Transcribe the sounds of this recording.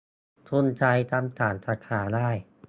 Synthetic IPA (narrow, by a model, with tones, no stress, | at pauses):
t̪ʰu˧˥˨nt͡ɕʰa˧jt̪ʰa˧mt̪ʰaː˩˦nsaː˧kʰaː˩˦daː˥˩j